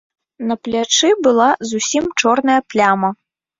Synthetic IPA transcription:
nɐplʲat͡ʂɨbɨlˠazusʲimt͡ʂɔrnɐjɐplʲamɐ

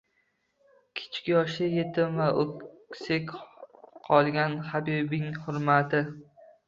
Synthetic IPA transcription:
kʲʰɪ̥t͡ʃʰkʲɪjɒʃɪjet̪ʰɪmvaʔokʲsekʲqʰɒlˠɡʲanhabibɪŋhʊɾmat̪ʰɪ

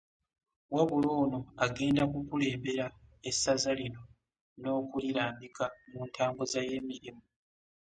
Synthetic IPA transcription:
waβulo̞ːno̞aɡe̞ːndakukule̞ːmbe̞ɾaesːazalino̞ | no̞ːkuliɾaːmbikʰamuːntʰaːmbozaje̞ːmiɾimu

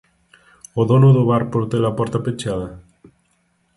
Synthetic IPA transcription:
oðonoðoβaɾpoɾt̪elapɔɾt̪apet͡ʃaðɐ

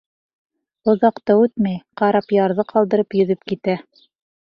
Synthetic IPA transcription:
ŏðɑqt̪ɤʉt̪mæjqɑɾɑpjɑɾðɤqʰɑlˠd̪ɤ̆ɾɤpjɵ̆ðɘpkit̪æ

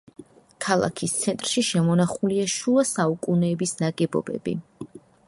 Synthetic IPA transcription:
kʰalˠa̰kʰist̪sʰɛnt̪ʼɾʃiʃɛmɔnaχuliaʃuasaukʼunɛːbisnaɡɛbɔ̰bɛ̰bḭ

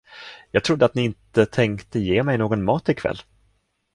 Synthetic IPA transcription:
jɑːɡ̚t̪ʰɾʊd̪ːəat̪nɪɪnt̪ət̪ʰɛŋkt̪əjeːmɛjnoːɡɔnmɑːt̪ɪkʰv̥ɛ̰lː

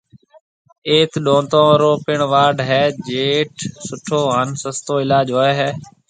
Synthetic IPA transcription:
eːt̪ɗõːnt̪õːɾoːpɪɳʋaːɖɦɛːd͡ʒeːʈsʊʈʰoːɦansəst̪oːɪlaːd͡ʒɦoːeːɦɛː

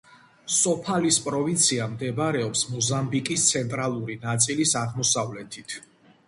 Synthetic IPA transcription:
sɔpʰalispʼɾɔvint̪sʰiamd̪ɛbaɾɛɔpsmɔzambikʼist̪sʰɛnt̪ʼɾalˠuɾinat̪sʼilisaʁmɔsavlɛt̪ʰit̪ʰ

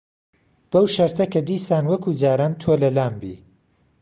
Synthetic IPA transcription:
b̥ɐwʃɐɾt̪ʰɐkʰɐd̪iːsaːnwɐkʰuːd͡ʒaːɾaːnt̪ʰoːlɐlaːmbḭː

